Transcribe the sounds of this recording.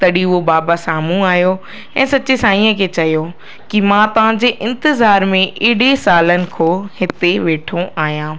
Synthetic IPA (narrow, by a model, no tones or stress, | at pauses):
t̪ɐɗiʊɦobaːbasaːmũaːɦijo | ɛ̃ːsɐt͡ɕesaːĩːə̃kʰet͡ɕɐjo | kimãt̪ɐʋ̤ãɲ̆d͡ʑeːʔɪ̃nt̪ɪzaːɾmẽʔɪɦɽesaːlənɪ̆kʰoːhɪt̪eʋeːʈʰõʔaːɦijãː